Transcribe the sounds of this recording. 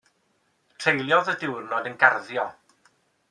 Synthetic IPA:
tʰr̥ejlˠjɔðədɪwrnɔdənɡarðjɔ

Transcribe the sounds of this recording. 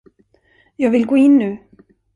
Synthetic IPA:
jaɣvɪlkoːinːʉ

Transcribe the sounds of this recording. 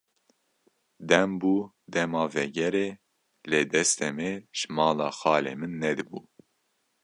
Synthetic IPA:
d̪ɛmbuː | d̪ɛmɑːvɛɡɛɾeː | leːd̪ɛst̪ɛmeʒmɑːlɑ̰ːxɑːlḛːmɨnːɛd̪ɨbuː

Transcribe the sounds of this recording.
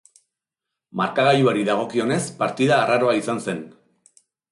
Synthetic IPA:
maɾkaɣaʎuaɾiðaɣ̞o̞kio̞ne̞spaɾt̪iðaːraɾo̞aisanse̞n

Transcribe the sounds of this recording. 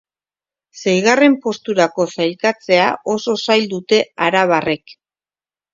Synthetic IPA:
se̞jɣare̞mpo̞st̪uɾako̞sajlkat͡se̞aʔo̞so̞sajld̪ut̪e̞aɾaβ̞are̞k

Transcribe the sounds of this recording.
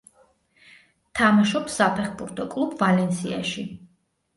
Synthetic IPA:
t̪ʰamaʃɔpsapʰɛχbuɾt̪ʰɔkʼlˠubvalɛnsia̰ʃi

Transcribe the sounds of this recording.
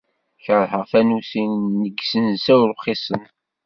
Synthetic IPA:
çəɾˤħəʁθænusinːəɡsənsæwɾuχisˤən

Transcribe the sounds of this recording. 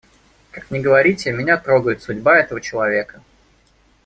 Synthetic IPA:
kakmnʲɪɡəvɐɾʲitʲɪmʲɪnʲat̪ɾo̞ɡəjɪt̪sʊdʲbaɛt̪əvət͡ɕɪlˠɐvʲe̞kə̥

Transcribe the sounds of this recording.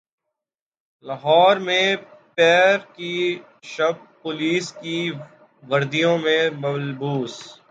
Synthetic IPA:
lɐɦɔːɾmẽpɛːɾki | ʃɐb̚ | pʊliːski | ʋɐɾd̪ijõmẽmɐlbuːs

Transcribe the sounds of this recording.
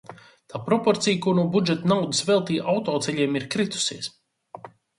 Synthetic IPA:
t̪aːpɾɔpɔɾt̪sijkuɾnuɔbud͡ʒɛt̪nawd̪əsvɛlˠt̪iːʔawt̪ɔːt̪sɛʎʲiɛmiɾkɾit̪u̥siɛs

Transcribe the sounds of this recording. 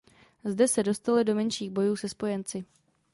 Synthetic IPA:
zdɛsɛdo̞st̪alɪdo̞mɛnʃiːɣbo̞juːsɛspo̞jɛnt͡sɪ

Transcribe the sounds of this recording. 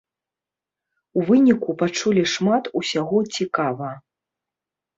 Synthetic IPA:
uvɨnʲikupat͡ʂulʲiʂmat̪usʲaɣɔt͡sʲikavɐ

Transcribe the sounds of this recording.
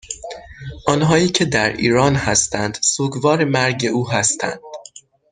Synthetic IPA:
ʔɒːnɦɒːiːcʰe̞d̪æɾʔḭːɾɒːnhæst̪ʰænd̪̥suːɡvɒːɾe̞mæɾɟe̞ʔuːɦæst̪ʰæ̰nd̪̥

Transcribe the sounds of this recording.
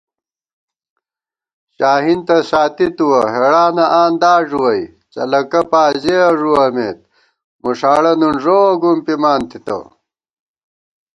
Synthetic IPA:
ɕaːɦint̪ɐsaːt̪it̪uwɐɦeɽaːnɐʔaːnd̪aːʐuwɐj | t͡ɕɐ̰lɐkɐpaːzeɐʐuwɐmeːt̪̚ | muʂaːɽɐnunʐowɐɡumpimaːnt̪it̪ɐ̰

